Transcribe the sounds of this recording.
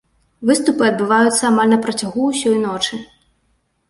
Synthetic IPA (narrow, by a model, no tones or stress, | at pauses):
vɨst̪upɨɐd̪̚bɨvajut̪sːɐamalʲnɐpɾɐt͡sʲaɣuːsʲɔjnɔt͡ʂɨ